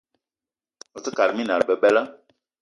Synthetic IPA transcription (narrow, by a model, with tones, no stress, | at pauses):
ɔ˨ti˦ka˨ɾɨ˨mĩ˦nã˨ɾbɛ˨bɛ˦la˦